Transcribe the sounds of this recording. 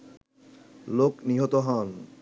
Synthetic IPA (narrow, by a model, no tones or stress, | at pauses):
lokniɦot̪oɦɔn